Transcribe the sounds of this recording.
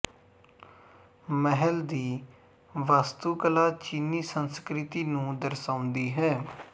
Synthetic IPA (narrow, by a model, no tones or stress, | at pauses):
məɦəld̪iː | ʋaːst̪uːkəlaːt͡ʃiːniːsənskɾɪt̪iːnũːd̪əɾsãːʊ̃nd̪iːɦɛː